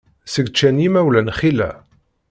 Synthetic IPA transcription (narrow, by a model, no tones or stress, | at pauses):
səɡt͡ʃːænjimæwlænχilæ̰